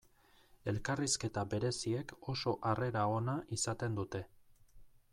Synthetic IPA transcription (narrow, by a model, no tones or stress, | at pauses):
e̞lkariske̞t̪abe̞ɾe̞sie̞ko̞so̞ʔare̞ɾao̞naʔisat̪e̞nd̪ut̪e̞